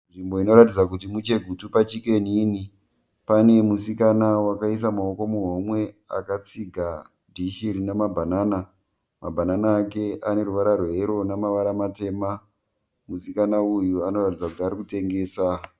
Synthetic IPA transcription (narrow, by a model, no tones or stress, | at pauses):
nʐimbo̞ino̞ɾatid͡zak̬utimut͡ʃe̞ɡʱutupat͡ʃike̞niːni | pane̞musikanawakais̬amaoko̞muɦomwe̞a̰kat͡siɡʱa | dʱiʃiɾinamabʱanaːna | mabʱananaːke̞ʔane̞ɾuʋaɾaroɦeɾo̞namaʋaɾamate̞ːma | musikanaujuano̞ratid͡zakutiaɾikute̞ŋɡe̞ːsa